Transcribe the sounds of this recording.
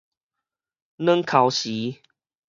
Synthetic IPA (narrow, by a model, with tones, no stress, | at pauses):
nə˦ŋkʰa˨˦wɕi˨˦